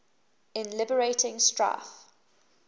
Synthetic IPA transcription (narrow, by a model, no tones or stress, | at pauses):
ɪ̃nlɪbəɹeɪtʰɪ̃ŋstɹa̰θ